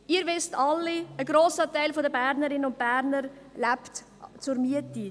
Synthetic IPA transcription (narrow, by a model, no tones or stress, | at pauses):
iːəɾʋɪstɑlːiəɡɾoːsətaɪlfodəbæːɾnəɾɪnəʊnt̚b̥æɾnəɾlæpt | t͡suɾmyəti